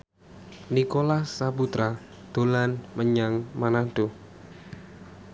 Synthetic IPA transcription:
nikolasaput̪ɾa | d̪̥olanməɲaŋmanado

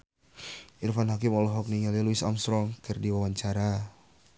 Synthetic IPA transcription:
ʔirfanɦakɪmɔlɔɦɔk̚niŋaliluɪsa̰mst̪ɾɔŋkərdiwawaɲt͡ʃaɾa

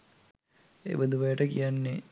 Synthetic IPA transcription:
ḛʋəd̪uʋɐjəʈəkijanːe

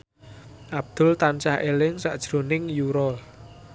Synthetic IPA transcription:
ʔab̥̚d̪̥ʊ̤lt̪ant͡ʃahʔelɪŋsaʔd̥ʒ̥ɾo̤nɪŋjuɾɔl

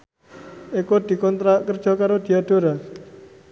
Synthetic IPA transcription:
ekod̪̥i̤kɔnt̪ɾakərd̥d͡ʒ̥ɔ̤kaɾod̪̥i̤aɖ̥oɾa

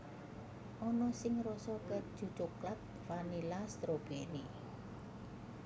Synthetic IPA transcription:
ʔɔnɔsɪŋɾɔsɔkəd̥ʒ̥u̥t͡ʃʊklat̪̚fanilast̪ɾob̥eni

